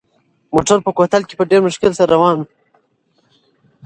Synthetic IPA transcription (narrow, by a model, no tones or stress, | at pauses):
mo̰ʈaɾpəkot̪alke̥pəɖeɾmʊʃkɪlsaɾːawɑːn